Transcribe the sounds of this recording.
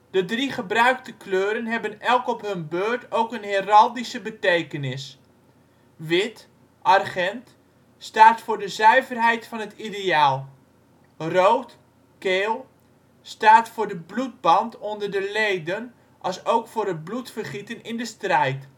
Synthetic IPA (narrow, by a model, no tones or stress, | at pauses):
d̥ədriχəbrœɥktəkløːɾənɦɛbənɛlˠkɔpɦɵnbøːɹtowkənheːrɑlˠdisəbətejkənɪs | ʋɪt | ʔɑrχɛnt | staːtfʊːɹdəzœɥvərɦɛjtfɑnɦətideaːlˠ | rowt | keːlˠ | staːtfʊːɹdəblud̚bɑntɔndərdəlejdən | ʔɑsowkfʊːɾɦət̚blutfərχitənɪndəstrɛjt